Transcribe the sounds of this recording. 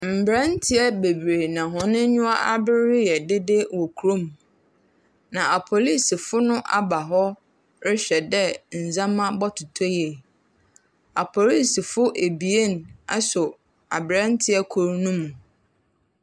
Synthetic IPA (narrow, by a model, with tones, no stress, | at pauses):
m̩˨bɾã˦n̩˦tʰɪ˦ɛ˦be˨bɾe˨nã˨ɦɔ̃˨nɪ̃˦ɲʊ̃˦a˦a˦bɪ˦ɾɪ˦jɛ˨dɪ˦dɪ˦wɔ˨kʰu˨ɾõ˦m˨ | nã˨a˨pʰo˨li˦si˨fʊ˦nʊ̃˦ʔa˦ba˨ɦɔ˦ | ɾɪ˦ɕᶣɛ˨dɛ˦n̩˨zã˦mã˦bɔ˦tʰʊ˨tʰɔ˦jɛ˨ | a˨pʰo˨li˦si˨fʊ˦ʔe˨bi˨e˦n˨a̰˦sʊ˨ | a˨bɾã˦n˦tʰɪ˦ɛ˦kʰʊ˨ɾnũ˦mũ˨